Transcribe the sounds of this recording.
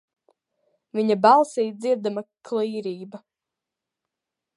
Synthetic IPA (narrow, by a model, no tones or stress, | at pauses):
viɲabɑlˠsiːd̪ziɾd̪amakliːɾiːbɐ